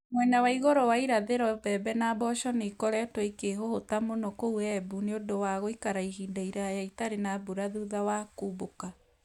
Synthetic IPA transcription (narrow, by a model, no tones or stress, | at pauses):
mwɛɲawaiɣoɾɔwaiɾaðeɾɔbɛbɛnaːbɔʃɔneikɔɾɛtwɔikeɦohotamonɔkouɛbuneodowaɣoikaɾaiɦiːndaiɾajaitaɾenabuɾaðuðawakuːβoka